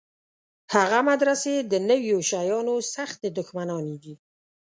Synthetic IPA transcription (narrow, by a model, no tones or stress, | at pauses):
haɣamad̪ɾased̪ənəwjoʃajɑnosaxt̪ed̪ʊxmanɑned̪i